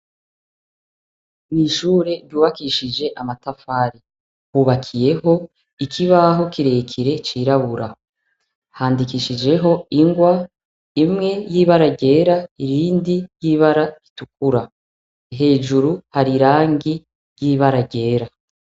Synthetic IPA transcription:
miːʃuːɾe̞ɾɟuːβakiʃid͡ʒe̞ʔamatafaːɾi | huːβakʰije̞ho̞ | ikʰiβaɦo̞kiɾe̞ːkʰiɾe̞t͡ʃiːɾaβuɾa | haːndikiʃid͡ʒe̞ɦo̞iŋɡwa | imŋe̞jiːβaɾaɟe̞ːɾaiɾiːndijiβaɾaɾituk̚uɾa | ɦe̞ːʒuɾuhaɾiɾaːŋɡi | ɾjiːβaɾaɟe̞ːɾa

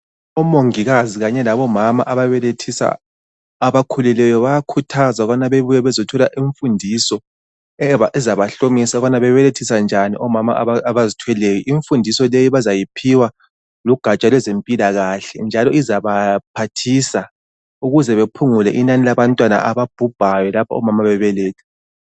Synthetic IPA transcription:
ɔmoŋiɣaziɣaɲɛlaβɔmama̰ʔaβaβɛletʰisa̰ː | βakʰululɛjɔβajakʰutʰazaɣanaβeβujɛβɛzɔtʰɔlaʔiɱfundʱisɔ | aɛzaβaɬomisaɣanaβɛβɛletʰisand͡ʒʱanḭʔɔmama̰aβazitʰwɛlejɔʔiɱfundʱisɔlejiβazajipʰiwa | luɡ̥ʱat͡ʃʼalwɛzempʼilaɣaɬɛnd͡ʒʱalɔizaβapʰatʰisa | uɣuzɛβepʰuŋulɛʔinanilaβantʼwana̰ʔaβab̥̚ʱub̥ʱajɛlapʰaɔ̰mamaβɛβɛlɛːtʰɛ̥

